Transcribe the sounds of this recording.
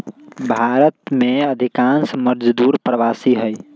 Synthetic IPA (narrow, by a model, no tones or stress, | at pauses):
bʱaɾət̪meəd̪ʱikãnsməɾd͡ʒd̪uːɾpɾəʋaːsiɦəj